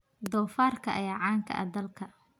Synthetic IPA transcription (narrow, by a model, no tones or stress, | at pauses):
d̪ɔːfaːrkʰɐʔɐ̰jaːʕɑːŋkʰɐ̰ʔɐ̰d̪ɐlkʰɐ